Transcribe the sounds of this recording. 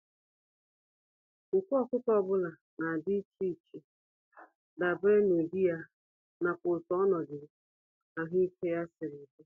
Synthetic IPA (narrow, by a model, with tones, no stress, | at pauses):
ʊ˨kʷu˦ɔ˦˨kʊ˦tɔ˦bʊ˦la˨ | na˨dɪ˦t͡ʃi˦˨t͡ʃi˨ | da˨be˦no˨di˦ja˦ | na˨pʊ˨tɔ˨ɔ˦nɔ˨ɡɪ˨ | a˨ɦʊ˦i˦ke˦ja˦sɪ˨ɾɪ˨be˦